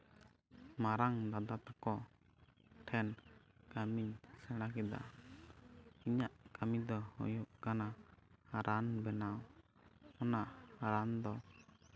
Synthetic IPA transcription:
maɾaŋd̪ad̪at̪akɔ | ʈʰɛnkamiɲsɛɽ̃akɛd̪a̰ | iɲaʔkamid̪ɔhɔ̰juʔkanaaɾʔanbɛnaw | ɔnaʔaɾand̪ɔ

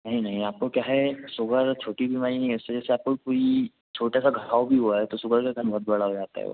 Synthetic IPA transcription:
nəɦĩnɐɦĩaːp̚kokjaːɦɛsʊɡʱəɾt͡ʃʰoːʈibʱimaːɾinɐɦĩʊsed͡ʒɛːseaːp̚kokoːi | t͡ʃʰoːʈasaɡʱaːwbʱiɦuaɦɛt̪osʊɡʱəɾkekənbʱɔɦʊt̪̚bɐɽ̤aɦod͡ʒaːt̪a̰ɦɛ̰o̰

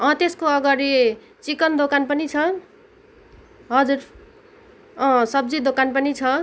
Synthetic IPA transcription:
ʌ̃t̪eskoʌɡʌɾi | t͡sikʌnd̪okanpʌnit͡sʰʌ | ɦʌd͡zur | ʌ̃sʌb̚d͡zid̪okanpʌnit͡sʰʌ

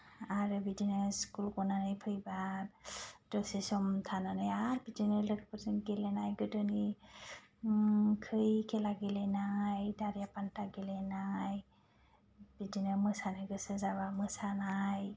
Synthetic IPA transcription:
aɾɯbidinɯskulkɔnanɯjpʰɯjba | tɔsesɔmtʰananajaɾbidinɯlɯɡpəsɯnɡelɛnajɡɯdɔni | kʰɯjkɛlaɡelɛnajdaɾijapantaɡelɛnaj | b̥idinɯmɯsanɯɡɯsɯzaβamɯsanaj

